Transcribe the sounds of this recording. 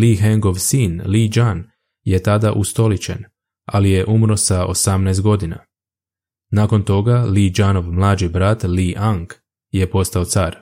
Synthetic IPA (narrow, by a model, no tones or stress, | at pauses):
liɦeŋɡo̞ʋsiːnlid͡ʒan | je̞t̪ad̪aʔust̪o̞lit͡ɕḛn | a̰lije̞ʔumɾo̞sao̞̰samnɛːst̪ɡo̞d̪ina̰ | naːko̞nt̪o̞ɡalid͡ʒano̞ʋmlˠaːd͡ʒibɾat̪liʔaŋk | je̞po̞st̪ao̞t̪saːɾ